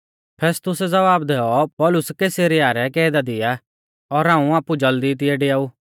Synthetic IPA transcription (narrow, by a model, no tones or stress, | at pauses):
pʰɛːst̪ʊsɛd͡zɐʋaːbd̪ɛːɔpɔːlʊskeːseɾɪaːɾɛkɛːd̪ad̪ɪja | ɔɾɦãːũaːpud͡ʒɐld̪it̪̬ɪɛɖejaːuː